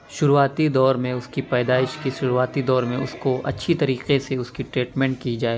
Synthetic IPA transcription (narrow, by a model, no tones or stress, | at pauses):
ʃʊɾuaːt̪id̪ɔːɾmẽʊskipɛːd̪aːɪʃkiʃʊɾuaːt̪id̪ɔːɾmẽʊskoʔɐtːʃʰit̪ɐɾiːqeseʊskiʈɾeːʈmɛ̃ːɳʈ̚kid͡ʒaːeː